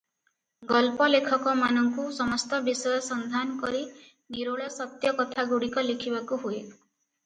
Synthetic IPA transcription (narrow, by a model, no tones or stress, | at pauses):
ɡɔlpɔlekʰɔkɔmanɔŋkusɔmɔst̪ɔbisɔjɔsɔnd̪ʱanɔkɔɾi | ɡiɾoɭɔsɔt̪jɔkɔt̪ʰaɡuɽikɔlikʰibakuɦue